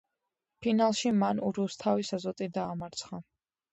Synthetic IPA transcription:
pʰinalˠʃimanuɾust̪ʰavisazɔt̪ʼid̪aːmaɾt̪sʰχa

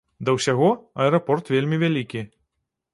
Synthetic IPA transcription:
d̪ɐwsʲaɣɔɐɛɾɐpɔrt̪vʲelʲmʲivʲalʲikʲi

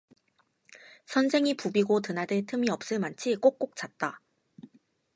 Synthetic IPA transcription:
sʰʌnsʰe̞ŋipubiɡotɯnadɯtʰɯmiʌp̚s͈ɯɭmant͡ɕʰik͈ok͈̚ok̚t͡ɕ͈at̚t͈a

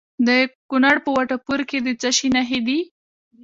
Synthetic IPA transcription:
d̪əkunaɽpəwaʈapuɾked̪ət͡saʃinaɦed̪i

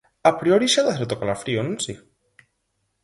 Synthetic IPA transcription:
apɾioɾiʃaðaθeɾt̪okalafɾionunsi

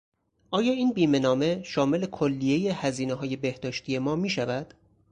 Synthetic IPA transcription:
ʔɒːjɒːiːnbiːme̞nɒːme̞ʃɒːme̞le̞kʰolːije̞jehæziːneɦɒːje̞be̞hd̪ɒːʃt̪ʰije̞mɒːmiːʃævæd̪̥

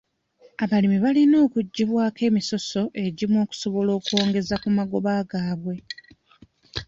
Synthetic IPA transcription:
aβalimiβalino̞ːkuɟːiβwaːke̞ːmiso̞so̞ʔe̞ɟimwo̞ːku̥so̞βo̞lo̞ːkuo̞ːŋɡe̞zakumaɡo̞βaːɡaːβwe̞

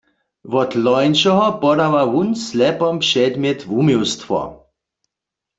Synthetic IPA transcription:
vɔt̪lɔjnʃɔɦɔpɔdawawunslɛpɔmpʂɛd̪mjɛt̪vumiwst̪fɔ̰

